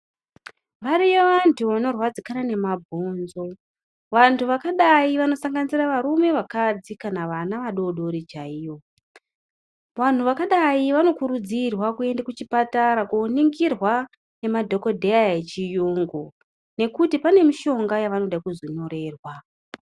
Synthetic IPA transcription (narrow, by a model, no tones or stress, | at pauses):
ʋaɾijeʋantʰuʋano̞rwad͡zikanane̞mabʱo̞ːnzo̞ | ʋantʰuʋakaɗaiʋano̞saŋɡaniziraʋaɾume̞ʋakad͡zikanaʋanaʋaɗo̞ɗo̞ɾit͡ʃaijo̞ | ʋan̤uʋakaɗaiʋano̞kuɾud͡zirwakue̞ndakut͡ʃipataɾakuːniŋɡirwa | ne̞madʱo̞ko̞dʱe̞ajet͡ʃijuŋɡo̞ | ne̞kutipane̞miʃo̞ŋɡajaʋano̞ɗaikuzono̞ɾe̞ːrwa